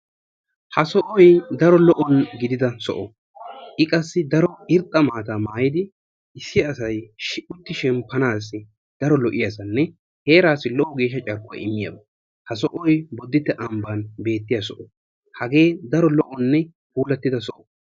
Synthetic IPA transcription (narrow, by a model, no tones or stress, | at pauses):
hɐsɔʔɔjd̪ɐɾɔlɔʔɔnɡɪd̪ɪd̪ɐsɔ̰ʔɔ | ʔɪkʼɐsːɪd̪ɐɾɔɪɾt̪ʼɐmaːt̪aːmaːjɪd̪ɪ | ɪsːɪɐsɐjʃɪʔʊt̪ːɪʃɛmpːɐnaːs̬ːɪ | d̪̥ɐɾɔlɔʔɪjasɐnːɛ | he̞ːɾaːsɪlɔʔɔɡe̞ːʃ̬ːɐt͡ʃʼɐɾkʼːʊɐ̰ɪmːɪjɐ̰bɐ | hɐsɔʔɔjbɔd̪ːɪt̪ːɛʔɐmbanbe̞ːt̪ːɪjasɔʔɔ | hɐɡe̞ːd̪ɐɾɔlɔʔɔnːɛ | huːlɐt̪ːɪd̪ɐsɔʔɔ̥